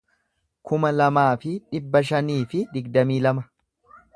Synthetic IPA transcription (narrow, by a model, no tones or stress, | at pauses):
kʊmɐlɐmaːfɪᶑɪbːɐʃɐniːfɪd̪ɪɡd̪ɐmiːlɐmɐ